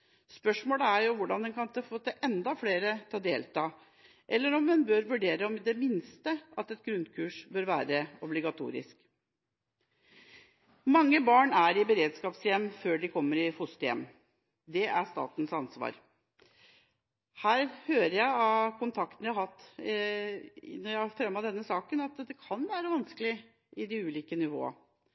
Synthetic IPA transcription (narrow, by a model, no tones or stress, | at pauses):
spœʂmoːləæɾjʊʋʊɖɑnd̪ɛnkʰɑnt̪ɛfoːt̪ːɛʔɛnd̪ɑfleːɾət̪ʰɑːd̪eːlt̪ɑː | ʔɛlːəɾɔmːɛnbøːɾʋʉɖeːɾəɔmd̪ɛmɪnst̪əʔɑt̪ɛt̪̚ɡɾʉnd̪kʰʉːʂbøːɾʋæːɾəɔblɪɡɑt̪ʰṵːɾɪ̰sk | mɑŋːəbɑːɳæɾɪbəɾeːd̪skɑːpsjɛmːføːɖɪkʰɔmːəɾɪfʊst̪jɛ̰m | d̪ɛʔæʂt̪ɑ̰ːt̪n̩sɑnsʋɑ̰ːɾ | hæːɾhøːɾəjæɪɑkʰʊnt̪ʰɑk̚t̪ən̩jæhhɑt̪ː | nɔjæfɾɛmːɑd̪ɛnːəsɑːkənɑt̪d̪ɛkʰɑnʋæːɾəʋɑnskəlɪ | ʔɪd̪ɪʉːliːkənɪʋo̰ːə̰